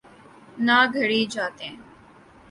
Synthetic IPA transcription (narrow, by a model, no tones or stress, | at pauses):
naːɡʱəɽiːd͡ʒaːt̪ẽː